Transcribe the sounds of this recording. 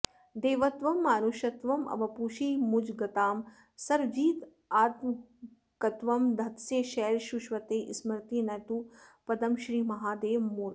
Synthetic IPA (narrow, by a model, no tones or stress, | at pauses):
d̪eːʋɐt̪ʋɐmːaːnuʃɐt̪ʋɐmɐ̰ʋɐpuːʃiːmud͡ʒɡɐt̪aːm | sɐɾd͡ʒiːt̪ | aːt̪m | kɐt̪ʋɐmd̪ʱɐt̪seːʃɛːɾʃuʃʋɐt̪eːʔḭsmɐɾt̪inɐt̪upɐd̪ɐmʃɾiːmɐɦaːd̪eːʋmuːɾ